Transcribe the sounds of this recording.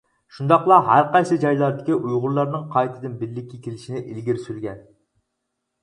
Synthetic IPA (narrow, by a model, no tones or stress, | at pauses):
ʃund̪ɑqlˠɑɦæɾqɑjsɨd͡ʒɑjlˠɑɾd̪ɪkʲiʔujʁʊɾlˠɑɾnɨŋqʰɑjt̪ʰɨd̪ɨnbɪɾlːɪkʲːɛkʲʰelɪʃinɪʔɪlɡʲiɾsylɡʲɛn